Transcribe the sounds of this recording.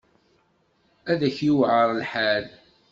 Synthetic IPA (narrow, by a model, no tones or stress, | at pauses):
æðæçjuwʕəɾˤlħal